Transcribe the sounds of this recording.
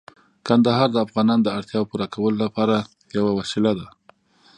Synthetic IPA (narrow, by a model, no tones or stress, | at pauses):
kand̪aɦɑɾd̪əafɣɑnɑnd̪əaɽt̪jɑwpuɾakʰawəlolapɑɾa | jawawasɪlad̪a